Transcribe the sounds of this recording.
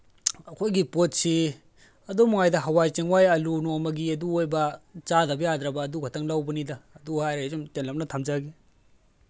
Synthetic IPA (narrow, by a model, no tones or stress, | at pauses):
ɐkʰojɡipot̚si | ɐdomuŋajdɐɦɐwajt͡ʃeŋwajɐlunomɐɡiɐduojbɐt͡ʃadɐbɐjad̪ɾɐbɐːduɡʰʱɐtʰɐŋlawbɐnidɐːduhajɾazomtenlɐp̚nɐtʰamd͡ʒaɡi